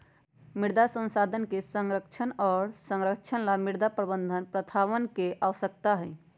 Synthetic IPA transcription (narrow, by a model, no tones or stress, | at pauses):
miɾd̪asə̃nsad̪ʱənkesəŋɾəkt͡ʃʰənɔːɾsə̃ŋɾəkt͡ʃʰənlamiɾd̪apɾəbənd̪ʱənpɾət̪ʰaʋənkeʔaʋəsəkt̪aɦɛ